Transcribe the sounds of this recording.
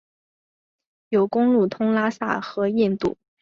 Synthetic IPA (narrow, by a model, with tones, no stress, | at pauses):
jo˨˩ʊkʊ˥ŋlu˥˩t̪ʰʊ˥ŋla˥sa̰˥˩xɤ˧˥i˥˧nt̪ṵ˥˩